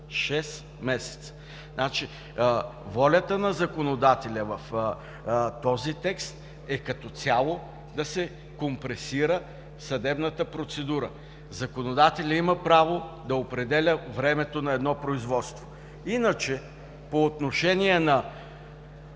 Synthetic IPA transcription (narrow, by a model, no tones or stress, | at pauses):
ʃɛs | mɛsɛ̥t̪sə̥ | nat͡ʃi | vɔlʲət̪ənɐzɐkonod̪at̪ɛlʲəvɐf | t̪ɔzit̪ɛkst̪ | ɛkɐt̪ɔt̪sʲalˠo | d̪ɐsɛ | kompɾɛsiɾə | sɐd̪ɛbnət̪əpɾot̪sɛd̪uɾə | zɐkonod̪at̪ɛlʲəiməpɾavod̪ɐopɾɛd̪ɛlʲəvɾɛmɛt̪onɐɛd̪nɔpɾoizvɔt̪st̪vo | inət͡ʃɛ | poːt̪noʃɛniɛnɐ